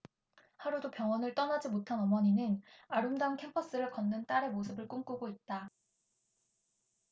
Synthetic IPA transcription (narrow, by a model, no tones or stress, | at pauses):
haɾudopjʌŋwʌnɯɭt͈ʌnad͡ʑimotʰanʌmʌɲinɯnaɾumdamkʰe̞mpʰʌs͈ɯɾɯɭkʌnːɯnt͈aɾe̞mos̬ʰɯbɯɭk͈uŋk͈uɡoit̚t͈a